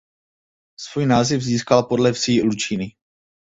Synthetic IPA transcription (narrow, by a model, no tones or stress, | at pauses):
svuːjnaːzɪvziːskalpo̞dlɛfsiːlut͡ʃinɪ